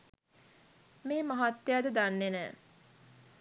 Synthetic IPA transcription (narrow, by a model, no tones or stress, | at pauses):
meːmaɦat̪ːejad̪əd̪anːenɛː